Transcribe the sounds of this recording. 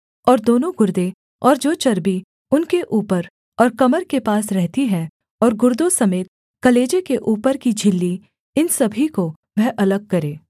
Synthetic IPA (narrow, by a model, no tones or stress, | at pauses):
ɔːɾd̪oːnõɡʊɾd̪e | ɔːɾd͡ʒoːt͡ʃɐɾbi | ʊnkeʔuːpəɾ | ɔːɾkɐməɾkepaːsɾɛɦt̪iɦɛ̃ | ɔːɾɡʊɾd̪osɐmeːt̪̚ | kɐleːd͡ʒekeʔuːpəɾkid͡ʒʱɪlːi | ɪnsɐbʱiko | ʋɛɦʔɐləɡ̚kɐɾeː